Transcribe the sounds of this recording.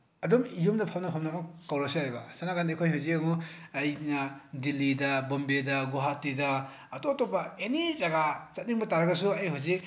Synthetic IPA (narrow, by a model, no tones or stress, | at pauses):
ɐdɔmijumnɐpʰamnɐpʰamnɐakawɾasiajbɐsanakʰandikʰojɦawzikaŋuɐjnɐdilːidɐbombedɐɡuɦatːidɐ | ɐtotopɐenizaɡat͡ʃɐt̚niŋbɐtaɾɐɡɐsuɐjɦozik̚